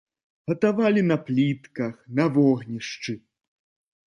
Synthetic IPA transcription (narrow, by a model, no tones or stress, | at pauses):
ɣɐt̪avalʲinɐplʲit̪kɐxnɐvɔɣnʲiʂt͡ʂɨ